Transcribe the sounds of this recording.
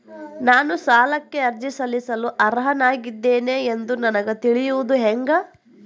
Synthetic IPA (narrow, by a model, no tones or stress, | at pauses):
naːnusaːlɐkːe̞ɐɾd͡ʒisɐlisɐluʔɐɾɦɐnaːɡid̪ːe̞ːneend̪unɐnɐɡɐt̪iɭijuʋud̪uɦeŋɡɐ